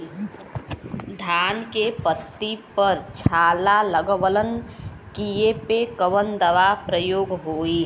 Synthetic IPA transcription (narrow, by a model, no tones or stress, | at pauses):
d̪ʱaːnkepət̪ːipəɾt͡ʃʰaːlaləɡʋələn | kiepekəʋənd̪əʋapɾəjoːɡɦoːi